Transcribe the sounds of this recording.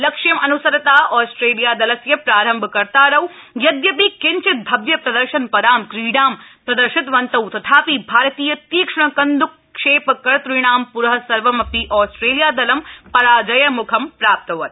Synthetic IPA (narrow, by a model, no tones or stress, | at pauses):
lɐkʂimɐnusɐɾɐt̪aːʔɔːsʈɾeːlijaːd̪ɐlɐsjɐpɾaːɾɐmbʱkɐɾt̪aːɾɐwjɐd̪jɐp̬iːkɪɲt͡ʃɪt̪̚bʱɐbjɐpɾɐd̪ɐɾʃɐnpɐɾaːmkɾiːɖaːmpɾɐd̪ɐɾʃɪt̪ʋɐnt̪ɐwt̪ɐt̪ʰaːpiːbʱaːɾt̪iːjɐt̪iːkʂɐɳ̃ɐkɐnd̪ukː | ʂeːpkːɐɾt̪ɾuɽ̃aːmpuɾɦɐ̆sɐɾʋɐmɐpiʔɔːsʈɾeːlijaːd̪ɐlɐmpɐɾaːd͡ʒɐjɐmukʰɐmpɾaːp̚t̪ɐʋɐt̪